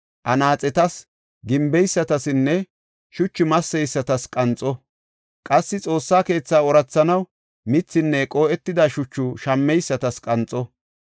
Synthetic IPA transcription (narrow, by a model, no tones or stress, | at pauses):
ʔɐnaːt͡sʼɛt̪ɐs | ɡɪmbɛjsːɐt̪ɐsɪnːɛ | ʃʊt͡ʃːɪmɐsːɛjsːɐt̪ɐskʼɐnt͡sʼːɔ | kʼɐsːɪt͡sʼo̞ːsːaːke̞ːt͡sːaːɔɾɐt͡sːɐnɐw | mɪt͡sːɪnːɛkʼoːʔɛt̪ːɪd̪ɐʃʊt͡ʃːʊʃɐmːɛjsːɐt̪ɐskʼɐnt͡sʼːɔ